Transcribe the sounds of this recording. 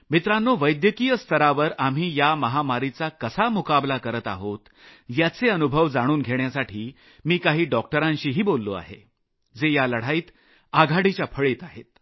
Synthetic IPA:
mit̪ɾanːoʋəjd̪jəkijəst̪ʰəɾaʋəɾam̤iːjaməɦamaɾit͡sakəsamukablakəɾət̪a̰ɦot̪ | jat͡seənubʱəʋd͡zaɽ̃uːnɡʱeɳjasaʈʰiː | miːkaɦiːɖɔk̚ʈəɾãɲɕiːɦiːbolːoa̰ɦḛ | d͡zejaləɽ̤aiːt̪ | aɡʱaɽit͡ɕjapʰəɭeːt̪aɦḛt̪

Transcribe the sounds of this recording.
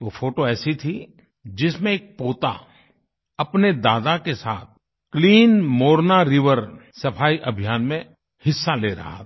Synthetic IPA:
ʋofʰoːʈoɛːsit̪ʰi | d͡ʒɪsmẽeːk̚poːt̪a̰ | ɐpned̪aːd̪akesa̰ːt̪̚ | kliːnmoːɾnaɾɪʋəɾsɐpʰaːiʔɐbʱijaːnmẽ | hɪsːaleːɾɐ̰ɦa̰tː

